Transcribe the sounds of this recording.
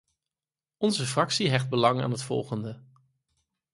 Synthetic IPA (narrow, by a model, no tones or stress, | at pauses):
ɔnzəfrɑksiɦɛχd̚bəlɑŋa̰ːnɦətfɔ̰lˠχəndə